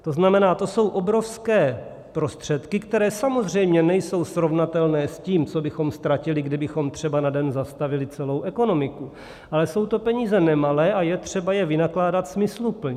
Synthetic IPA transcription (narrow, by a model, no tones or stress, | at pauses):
t̪o̞znamɛnaːt̪o̞so̞wʔo̞bɾo̞fskɛː | pɾo̞st̪r̝̥ɛt̪kɪkt̪ɛɾɛːsamo̞zr̝ɛjmɲɛnɛjso̞wsɾo̞vnat̪ɛlnɛːsciːmt͡so̞bɪxo̞mst̪ɾacɪlɪɡdɪbɪxo̞mt̪r̝̥ɛbanadɛnzast̪avɪlɪt͡sɛlo̞wʔɛko̞no̞mɪku | ʔalɛso̞wt̪o̞pɛɲiːzɛnɛmalɛːʔajɛt̪r̝̥ɛbajɛvɪnaklaːdat̪smɪslupl̩ɲɛ